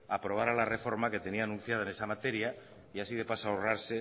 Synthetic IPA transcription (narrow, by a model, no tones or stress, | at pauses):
apɾo̞β̞aɾalare̞fo̞ɾmake̞t̪e̞niaːnũn̟θjað̞aene̞samat̪eɾja | iasiðepasaoraɾse